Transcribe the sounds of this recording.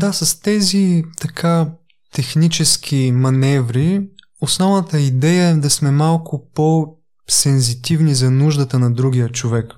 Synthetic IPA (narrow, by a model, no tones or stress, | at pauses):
d̪asɐst̪ɛzit̪ɐkʰa | t̪ɛxnit͡ʃɛsk̟imɐnɛvɾi | osnɔvnɐt̪əid̪ɛjəɛd̪ɐsmɛmalˠkʊpo | sɛnzit̪ivnizɐnuʒd̪ət̪ənɐd̪ɾuɡ̟ʲijət͡ʃovɛk